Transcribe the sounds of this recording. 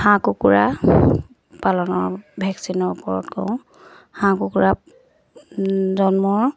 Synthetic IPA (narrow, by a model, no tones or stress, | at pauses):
hãkukuɹa | palɔnɔɹbʱɛksinɔɹupɔɹɔ̰tkɔ̰̃ʊ̃ | hãkukuɹa | zɔnmɔɹ